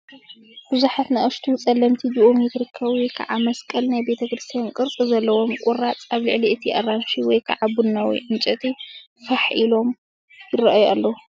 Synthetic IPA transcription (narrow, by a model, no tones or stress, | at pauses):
b̥ɨzuħat̪naʔɐʃt̪ʰut͡sʼɐlːɐmt̪ʰid͡ʒiʔomjɪt̪ɨɾɨkʰːaβikʰa̰ʕamɐskʼɐlnajbe̞t̪ʰɐkɾɨst̪ʰijankʼɨɾt͡sʼizɐlːɐwo̞mkʼʊɾat͡sʼaβlɨʕliʔɨt̪ʰiʔɐranʃiwɔjkʰa̰ʕabunːawḭʕɨnt͡ʃʼɐt̪ʼi | fɐħʔilo̞m | jɪrɐʔaja̰lːɐwu